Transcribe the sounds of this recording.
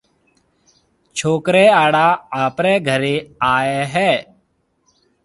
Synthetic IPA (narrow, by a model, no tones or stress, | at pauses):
t͡ʃʰoːkɾɛːaːɽaːaːpɾɛːɡʱəɾeːaːeːɦɛː